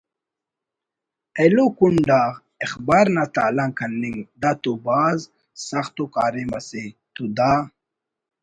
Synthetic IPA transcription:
elokuɳɖaːʁ | exbaːɾnat̪aːlaŋkʰɐnːiŋd̪at̪ubaːz | saχt̪ukaːɾemaset̪ud̪a

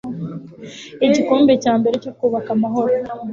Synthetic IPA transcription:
iɟiko̞ːmbe̞caːmbe̞ɾe̞co̞kuːβakamaɦo̞ɾona

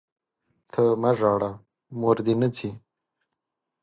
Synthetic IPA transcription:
t̪ʰəmaʐɑːɽa | moɾd̪inət͡sʰi

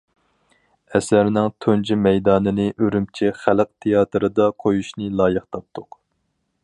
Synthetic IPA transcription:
ɛsæɾnɪŋt̪ʰond͡ʒimɛjd̪ɑːnɨnɨʔøɾymt͡ʃʰɪχælq̚t̪ʰejɑːt̪ʰɨɾɨd̪ɑqʰojuʃnɨlˠɑːjɨqt̪ʰɑp̚t̪ʰʊq

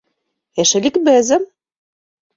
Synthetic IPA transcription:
eʃɘ̆lʲikbɘ̆zɘ̆m

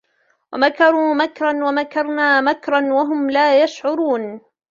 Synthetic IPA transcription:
wamakɑɾˤuːmakɾˤɑnwamakɑɾˤnaːmakɾˤɑnwaɦʊmlaːjaʃʕʊɾuːn

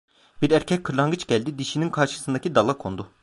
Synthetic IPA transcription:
b̥iɾæɾcʰɛc̚ʲkʰːɯɾlˠaŋɡɯt͡ʃɟælʲd̪id̪iʃininkʰaɾʃɯ̥sɯnd̪acʰid̪alˠakʰo̞̰nd̪u

